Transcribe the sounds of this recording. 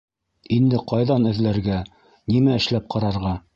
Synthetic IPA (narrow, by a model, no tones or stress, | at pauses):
ind̪ɘqɑjðɑnɘ̆ðlæɾɡæ | nimæɘ̆ʃlæp̚qɑɾɑɾʁɑ